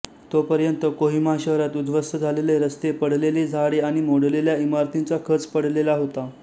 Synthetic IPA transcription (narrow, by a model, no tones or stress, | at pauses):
t̪opəɾjənt̪əkoɦimaɕəʋɾat̪ud̪ʋəst̪əd͡zʱaleleɾəst̪epəɽ̤leliːd͡zʱaɽeaɽ̃imoɽleljaimaɾt̪int͡sakʰət͡spəɽ̤lelaɦot̪a